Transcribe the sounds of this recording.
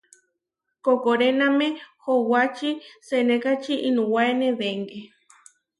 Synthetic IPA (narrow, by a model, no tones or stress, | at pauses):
kokoɾenãmẽhowat͡ʃisenekat͡ʃiʔinũwaeneβeŋɡe